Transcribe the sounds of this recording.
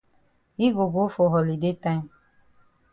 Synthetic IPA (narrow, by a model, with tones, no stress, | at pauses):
i˦ɡo˨ɡo˦fo˨ɦɔ˨li˨de˦t̪ã˦